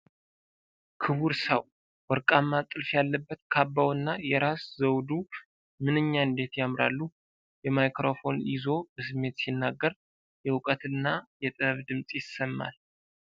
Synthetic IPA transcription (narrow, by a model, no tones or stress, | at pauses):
kʰɨβuɾsəw | wɔɾkʼamːat̪ʼːɨlfjalːəbːət̪kʰabːawɨnːajɛɾaszəwd̪u | mɨnɨɲːaɨnd̪e̞t̪jamɾa̰lːu | jɛmajkɾo̞fo̞nʔɪzo̞bəsɨmːe̞t̪sinːaɡːəɾ | jɛwʊkʼət̪ɨnːajɛt̪ʼɨβd̪ɨmsʼjɪsːəmːa̰l